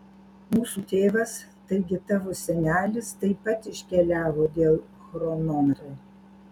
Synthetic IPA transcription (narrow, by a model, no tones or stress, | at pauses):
muːsut̪ʲeːʋɐst̪ɐɪɡʲɪt̪ɑʋosʲɛnʲæːlʲɪst̪ɐɪpɐt̪ɪʃʲkʲɛlʲæːʋoːd̪ʲeːlˠ | xɾɔnɔnɾɐ